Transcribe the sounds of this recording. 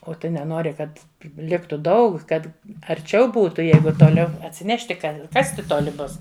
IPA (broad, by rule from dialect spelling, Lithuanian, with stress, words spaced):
oː ˈtʊ nʲɛˈnoːrʲɪ ˈkɐt ˈlʲɪktʊ ˈdɐʊk ˈkɐt ɐrʲˈt͡ʃʲɛʊ ˈbuːtʊ ˈjɛɪɡʊ toːˈlʲɛʊ ɐtʲsʲɪˈnʲæːʃʲtʲɪ ˈkɐ ˈkɑːsʲtʲɪ ˈtoːlʲɪ ˈbʊs